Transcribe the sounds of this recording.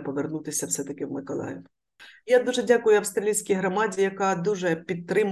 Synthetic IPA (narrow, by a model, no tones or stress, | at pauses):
pɔʋernut̪ɪsʲɐwsɛt̪ɐkɪwmɪkɔlˠɑ̰jɛw | jad̪uʐɛdʲakʊjʊɐwst̪ɾɐlʲijsʲkʲijɦɾɔmɑdʲijɐkad̪uʐɛpʲit̪̚t̪ːɾɪm